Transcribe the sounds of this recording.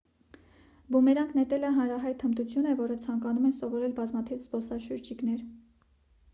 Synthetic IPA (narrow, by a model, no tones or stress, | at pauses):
bumɛɾɑŋkʰnɛt̪ɛləɦɑnɾɑɦɑjt̪ʰəmt̪ut͡sʰjunəvɔɾət͡sʰɑŋkɑnumɛnsɔvɔɾɛlbɑzmɑt̪ʰivzbɔsɑʃəɾd͡ʒiknɛɾ